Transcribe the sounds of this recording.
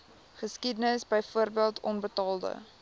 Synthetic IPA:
χəskidənəsbəjfuərbiəlˠtʰɔnbətɑːlˠdə̰

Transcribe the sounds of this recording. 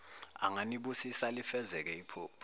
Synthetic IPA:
a̰ŋaniɓusisalifɛzɛk̬ɛipʰoːpʰ

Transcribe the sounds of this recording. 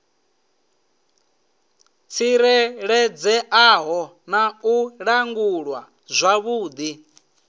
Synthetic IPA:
t͡sʰiɾɛɺɛd͡zɛʔaːɦɔ | nauɺaŋɡuɺwa | zʷaβuːd̪i

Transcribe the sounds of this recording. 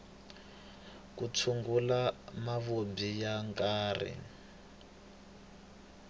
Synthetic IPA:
kut͡sʰuŋɡulamaβobijaŋkʼaːrḭ

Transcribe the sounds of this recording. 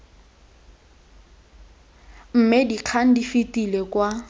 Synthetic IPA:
m̩mɪdiq͡χʰan̩difitilɛkwa

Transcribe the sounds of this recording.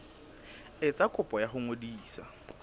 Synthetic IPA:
ɪt͡sʼakʼʊpʼɔjaχʊŋodiːsa̰

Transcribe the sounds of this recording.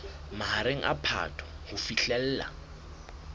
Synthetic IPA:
mahaɾeŋ̩ʔa̰pʰa̰tʰɔ̥ | hʊfiɬɛl̩ːla̰

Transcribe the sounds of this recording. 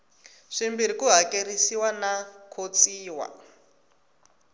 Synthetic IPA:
ʂimbiɾikuɦakerisiwanakʰot͡siːwa̰

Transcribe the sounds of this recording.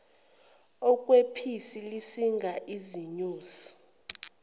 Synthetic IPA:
ɔkʼwepʰisilisiŋʱaʔiziɲuːsi̥

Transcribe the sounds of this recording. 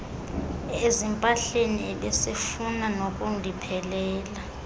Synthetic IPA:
ezimpʼaɬeniɛɓɛsefunanokʼundʱipʰɛlɛːla

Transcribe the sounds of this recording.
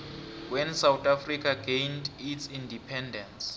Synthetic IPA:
wɛnsawtʰʼafrikʰaɡejnditsindipʰɛndɛns

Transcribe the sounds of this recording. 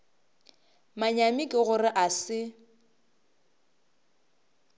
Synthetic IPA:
maɲamikʼɪɣʊrɪʔasɪ

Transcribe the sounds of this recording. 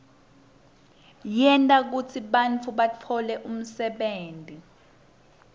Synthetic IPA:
jɛntʼak̬ut͡sʰiɓant͡fʰuɓat͡fʰɔlɛʔum̩sɛɓeːntʼi

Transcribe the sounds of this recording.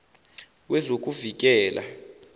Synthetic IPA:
wɛzokʼuvik̬ʼɛːlʔa̰

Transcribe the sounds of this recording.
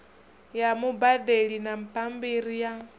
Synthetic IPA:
jamubadeɺinam̩pʼambiɾija

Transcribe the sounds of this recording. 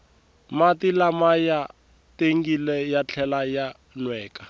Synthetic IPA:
matilamaja | teŋ̩ɡilɛjat͡ɬʰɛlaja | nwɛːkḁ

